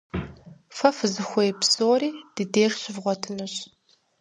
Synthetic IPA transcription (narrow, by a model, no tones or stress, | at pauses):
fɐfɨzɨxʷɔjpsoːɾiːd̥ɨdeːrɕɪvʁʷɔtʰɨnɨɕ